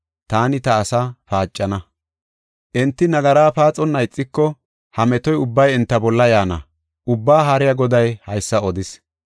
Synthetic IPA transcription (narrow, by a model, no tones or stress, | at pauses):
t̪aːnɪt̪ɐːsɐfaːt͡ʃʼːɐnɐ | ʔɛnt̪ːɪnɐɡɐɾaːpaːt͡sʼːɔnːɐjt͡sʼːɪkːɔ | hɐmɛt̪ɔjʊbːɐjɛnt̪ːɐbɔlːɐjaːnɐ̰ | ʔʊbːaːɦaɾɪjɐɡɔd̪ɐjhɐjsːɐɔd̪ɪs